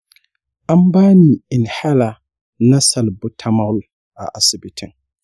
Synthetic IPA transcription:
a˦m˦baː˦ni˨ɪ˨n˨ha˦la˨ | na˦sa˨lbʊ˦tʰa˦ma˦l | a˨ʔa˨sɪ˨bɪ˨tʰɪ˨ŋ

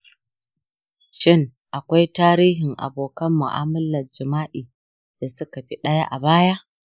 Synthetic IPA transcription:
ʃɪ˦˨ŋ | ʔa˨kʷa˦jtaː˦ɾiː˦ɦɪ˨ŋʔa̰˨boː˨kɐ˦mːʊ̰˨ʔa̰ː˦mʊ˦lɐ˨d͡ʒɪ˨maː˦ʔiː˨ | d̥a˨sʊ˦ka˨ɸi˦ɗɐ˦ja˦ʔa˨baː˦ja˦ʔ

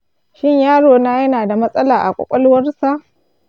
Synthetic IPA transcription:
ʃɪ˦ɲjaː˦ɽoː˨naː˦jɐ˦naː˨da˨mɐ˦sʼɐ˦laː˨ʔa˨kʷʼɔ̰˨kʷʼɐ˦lʊ˦wɐ˦rsa˦ʔ

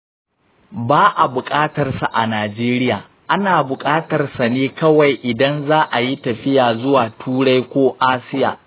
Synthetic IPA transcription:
baː˦ʔa˨bʊ˨kʼaː˦tɐ˨rsa˨ʔa˨naː˨d͡ʒeː˦ɾɪ˦jaː˨ | ʔa˦naː˨bʊ˨kʼaː˦tɐ˨rsa˨neː˦kɐ˦wa˨jʔɪ˨dɐ˦nzaː˦ʔa˨ji˦tɐ˨ɸɪ˦jaː˨zʊ˦waː˨tʰuː˦ɽa˦jkʷoː˦ʔaː˦sɪ˦ja̰ː˨

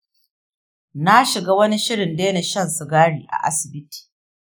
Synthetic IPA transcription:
na˦ʃɪ˨ɡaː˦wɐ˦ni˦ʃɪ˦ɽɪ˨ndeː˦ne˨ʃɐ˦˨nsʊ˨ɡaː˦ɽiː˨ʔa̰˨ʔa̰˦sɪ˨bɪ˦ti̥ː˨

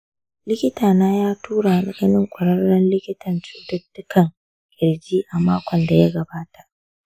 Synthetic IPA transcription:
lɪ˦kʲɪ˦taː˨naː˦jaː˦tuː˦ɽa˨ɗɐ˦ɡɐ˦nɪ˦ŋkʷʼɐ˨ɽɐ˦rːɐ˦nlɪ˦kʲɪ˦tʰɐ˨nt͡ʃu̥ː˦dɐ˦dːʊ˦kʰɐ˨ŋ | kʲʼɪ˨ɽd͡ʒiː˦ʔa˨maː˦kʷʰɔ˨nda˨ja˦ɡɐ˨baː˦ta˨ʔ

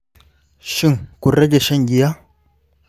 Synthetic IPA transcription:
ʃi˦˨ŋku˨ɾɐ˦ɡe˨ʃɐ˦ŋɡi˨ja˦

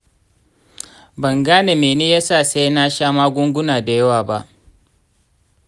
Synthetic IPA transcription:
bɐ˨ŋɡaː˦ne˨meː˨neː˦jaː˦saː˦˨sa˦jna˦ʃaː˦maː˦ɡʷʊ˦ŋɡʷʊ˦naː˨da˨jɐ˦waː˨ba˦ʔ

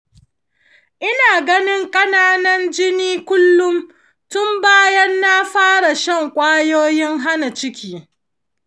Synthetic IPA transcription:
ʔɪ˦naː˨ɡɐ˦nɪ˦ŋkʼɐ˦naː˦nɐ˦nd͡ʒɪ˦niː˦kʷʊ˦lːʊ˦m | tʊ˦mbaː˦jɐ˦nːa˦ɸaː˦ɽa˨ʃɐ˦˨ŋkʷʼaː˦joː˦jɪ˦ŋɦa˦na˨t͡ʃɪ˦kʲiː˦

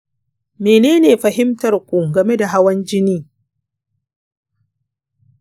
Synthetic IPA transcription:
meː˨neː˦neː˨ɸɐ˨ɦɪ˦mtɐ˨rkʷu˨ɡɐ˨me˦da˨ɦa˦wɐ˦nd͡ʒɪ˦niː˦

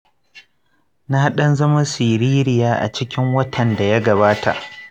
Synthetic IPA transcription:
na˦ha˦ɗɐ˦nzɐ˦ma˦siː˨ɾiː˦ɾɪ˨jaː˦ʔa̰˨t͡ʃɪ˦kʲɪ˦ŋwɐ˦tʰɐ˨nda˨ja˦ɡɐ˨βaː˦tʰa̰˨ʔ

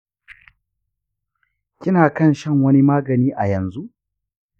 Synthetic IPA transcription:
kʲɪ˦naː˨kɐ˦nʃɐ˦˨ŋwɐ˦ni˦maː˦ɡɐ˨niː˦ʔa˨jɐ˨nzu˦ʔ

